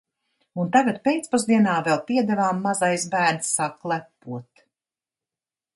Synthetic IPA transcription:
unt̪aɡat̪̚pʲejt̪spɔzd̪iɛnaːvɛlˠt̪iɛd̪ɛvaːmːazajsbæːɾnsːaklˠæpːuɔt̪

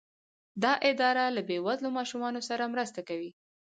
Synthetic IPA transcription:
d̪ɑʔɪd̪ɑɾalabewazlomɑʃumɑnosaɾamɾəst̪akawi

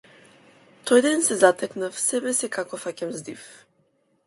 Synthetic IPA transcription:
t̪ɔjd̪ɛnsɛzat̪ɛknafsɛbɛsɛkakɔfacʲamzd̪if

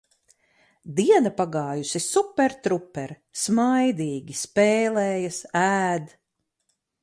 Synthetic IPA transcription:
d̪iɛnɐpaɡaːjusisupːɛɾt̪ɾupːɛɾ | smajd̪iːɡʲispeːlɛːjɐsæːd̪

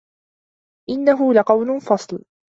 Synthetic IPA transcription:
ʔɪnːaɦʊlaqɑwlʊfɑsˤl

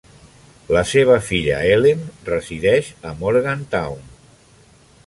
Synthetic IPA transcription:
ləseβ̞əfiʎə̰elenrəziðɛʃəmoɾɣant̪awn

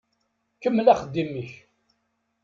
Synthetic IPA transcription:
kəmːəlæχəd̪ːimiç

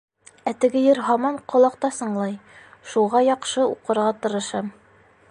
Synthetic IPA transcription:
æt̪ɘ̆ɡɘjɘɾɦɑmɑɴqŏlˠɑqt̪ɑsɤ̆ɴlˠɑjʃuʁɑjɒqʃɤṵqɤ̆ɾʁɑt̪ɤ̆ɾɤ̆ʃɑm

